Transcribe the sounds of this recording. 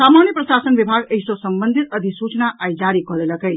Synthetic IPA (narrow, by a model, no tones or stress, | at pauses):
samanjəpɾəsasənbibʱaɡeɦjsosəmbənd̪ʱit̪əd̪ʱisut͡ʃnaʔajd͡ʒaɾikʌɦlelʌkəj